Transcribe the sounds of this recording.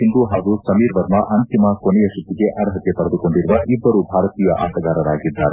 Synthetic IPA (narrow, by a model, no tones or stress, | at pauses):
ɦind̪uɦaːɡusɐmiːɾʋɐɾmɐʔɐnt̪imɐkonɛjɐʃut̪ːiɡe̞ʔɐɾɦɐt̪ːepɐɾɐd̪uko̞ɳɖiɾuʋɐʔibːɐɾubʱaːɾɐt̪iːjɐʔaːsɐɡaːɾɐɾaːɡid̪ːaːɾe